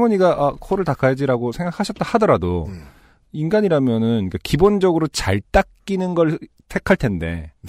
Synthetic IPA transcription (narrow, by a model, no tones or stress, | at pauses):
mʌɲiɡaʔakʰoɾɯɭtakʰajad͡ʑiɾaɡosʰe̞ŋɡakʰaɕʰʌt̚t͈ahadʌɾado̰ | inɡaɲiɾamjʌnɯnik͈akibond͡ʑʌɡɯɾot͡ɕaɭt͈ak͈̚inɯnɡʌɭ | tʰe̞kʰaɭtʰe̞nde̞̰